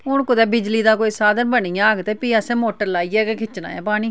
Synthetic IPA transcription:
ʊɳkʊd̪ɛːbɪd͡ʒliːd̪aːkoːiːsaːd̪ənbəɳijãːɡt̪eːpiːəsẽːmoːʈəɾlaːiːɛːkekʰɪt͡ʃna̰ːja̰ːpaːɽ̃iː

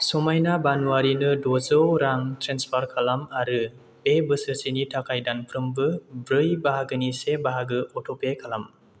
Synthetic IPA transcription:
sɔmajnabanuaɾinɯdozɯwɾaŋtʰɾenspʰaɾkʰalamaɾɯ | bebɯsɯɾsinitʰakʰajdanpʰɾɯmbɯbɾɯjbaɦaɡɯnisebaɦaɡɯɔtʰɔpekʰalam

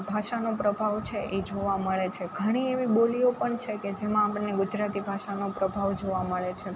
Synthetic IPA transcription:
bʱaʃanopɾəbʱaʋt͡ʃʰeʔed͡ʒoʋaməɭet͡ʃʰeɡʱəɽ̃ieʋiboliopəɳt͡ʃʰeked͡ʒemãːpəneɡʊd͡ʒɾat̪ibʱaʃanopɾəbʱaʋd͡ʒoʋaməɭet͡ʃʰe

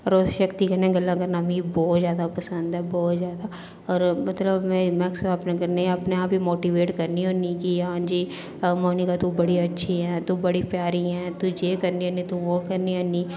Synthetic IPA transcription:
ɔːɾoʃəkt̪ikɐnɛ̃ɡɐlːãkɐɾnaːmĩbɔːt̪zjaːd̪apɐsə̃nd̪ɦɛːbɔːt̪zjaːd̪a | ɔːɾmɐt̪ləbmɛ̃mɛksapnekɐɾneɐpneaːpbimoːʈiʋeːʈkɐɾniɦoːnikiɦãːd͡ʒiː | moːnikat̪ubɐɽiɐtːʃʰiɦɛ̃ːt̪ubɐɽipjaːɾiɦɛ̃ːt̪ud͡ʒeːkɐɾnionit̪uʋokɐɾniɦoni

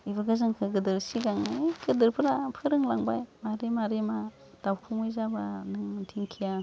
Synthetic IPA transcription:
ibaɡɯzɯŋkʰɯɡɯdɯɾsiɡaŋaɡɯdɯɾpʰɯɾapʰɯɾɯŋlaŋbajmaɾemaɾema | dawkʰuŋɯjzabanɯŋɯntʰiŋkʰija

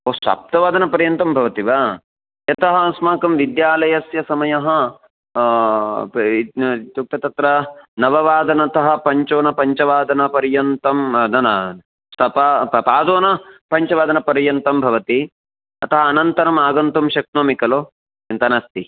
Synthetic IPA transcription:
oːsʋa̰ːp̚t̪ɐʋaːd̪ɐnɐpɐɾjɐnt̪ɐmbʱɐʋɐt̪iʋaː | jɐt̪ɐɦɐsmaːkɐmʋid̪jaːlɐjɐsjɐsɐmɐjɐɦɐ | t̪uk̚t̪ɐt̪ɐt̪ɾɐnɐʋɐʋaːd̪ɐnɐt̪ɐɦɐ̆pɐɲt͡ʃoːnɐpɐɲt͡ʃɐʋaːd̪ɐnɐpɐɾjɐnt̪ɐmd̪ɐnɐ | sɐpapaːd̪oːnɐpɐɲt͡ʃɐʋaːd̪ɐnɐpɐɾjɐnt̪ɐmbʱɐʋɐt̪i | ɐt̪ɐɦɐːnɐnt̪ɐɾɐmaːɡɐnt̪umʃɐk̚t̪nɐmikɐloː | t͡ʃint̪ɐnaːst̪i

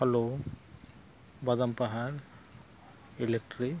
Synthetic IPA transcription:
hɐloː | bɐd̪ɐmpɐɦaɾ | ilek̚ʈɾi

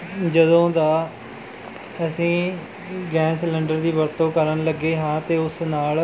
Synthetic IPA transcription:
d͡ʒəd̪õːd̪aː | əsĩː | ɡɛ̃ːsləɳɖəɾd̪iːʋəɾt̪õːkəɾənləɡeːɦãːt̪eːʊsnaːl

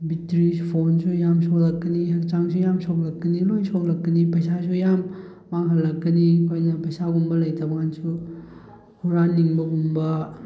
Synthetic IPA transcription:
bitɾispʰonsʰujamsolɐkɡɐniɦɐk̚t͡ʃaŋsʰujamsok̚lɐkɡɐnilojsoklɐkːɐnipɐjsasʰujamː | aŋɦɐlːɐkːɐnikʰojnɐpɐjsaɡumbɐlɐjtʰabɡansu | huɾanːiŋbɐɡumbɐ

